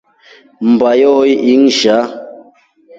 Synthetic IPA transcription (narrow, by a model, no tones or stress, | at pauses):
m̩bajɔiʔiŋʒa